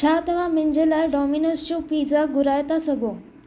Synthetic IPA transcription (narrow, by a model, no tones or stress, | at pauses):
t͡ʃʰaːt̪əʋãmɪɲd͡ʒelaeɖɔminəst͡ʃũpiːzaɡʊɾajt̪asəɡo